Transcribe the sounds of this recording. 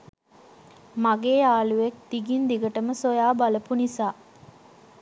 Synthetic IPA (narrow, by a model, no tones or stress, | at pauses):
maɡeːaːluʋek̚d̪̥iɡind̪iɡəʈəməsojaːbaləpunisaː